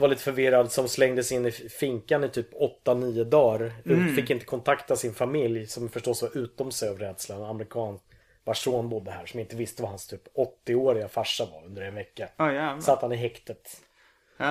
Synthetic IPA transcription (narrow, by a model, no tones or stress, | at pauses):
valiːt̪əfœɾvɪɾad̪sɔmslɛŋd̪əsɪnːɪfɪŋkanɪt̪ʰyːpːɔt̪ːaniːʊd̪ɑːɾʉːfɪkːɪnt̪ə̥kʰɔnt̪ʰakt̪asɪnfamɪljsɔmfəʂʈɔsvaɾʔʉ̟ːt̪ɔmsɛjɑvɾɛːd̪slanamɛɾɪkʰɑːnsk | baʂoːnbʊd̪ːəhæːɾʂɔmaɪnt̪əvɪst̪əvahanst̪ʰyːpɔt̪ːɪoːɾɪɡafaʂːava̰ɾɵnd̪əɾɛnvɛkːasat̪hanɪɦɛkt̪ət̪